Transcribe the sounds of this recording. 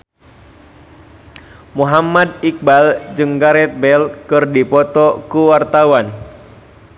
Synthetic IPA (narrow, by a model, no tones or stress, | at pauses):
muɦamad̪̚ik̚bald͡ʒɨŋɡaɾɛt̪̚bɛlkɨrdipɔt̪ɔkuwart̪awan